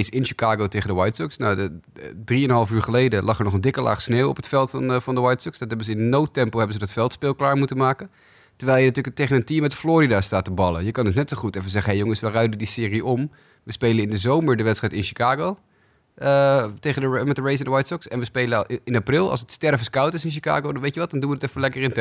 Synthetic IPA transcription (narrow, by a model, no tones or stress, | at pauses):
sɪnʃi̥kaːɡowtejχəndəwajtsɔksnawdriənɦɑlˠfyːɹχəlejdəlɑχəɹnɔχəndɪkəlʔa̰ːχsneːwɔ̰pətfɛlˠtvɑndəʋajtsɔksdɑtɦɛbənzəɪnənːowtɛmpəlˠɦɛbənzədɑtfɛlˠtspɪːlˠklaːɹmutənmaːkən | təɹʋɛjlˠjənatyːɹləktejχənəntimɛtfloːɾidaːstaːtəbɑlˠə̰jəkɑndɵs̬nɛtsoχutɛfəzɛχəɦejoŋəsʋərœɥdədisɪːriʔɔm | ʋəspejlənɪndəzowməɹdəʋɛtstrɛjtɪnʃi̥kaːɡow | ətejχəndəmɛtdəɹejs̬ɛndəwajtsɔksɛnʋəspejləɪnaprɪlˠɑ̰lˠsətstɛɹvəskʌwtɪsɪnʃ̬ika̰ːɡowdɑnʋejtjəʋɑt̚dɑnduʋədətɛfəlɛkərɪntɛ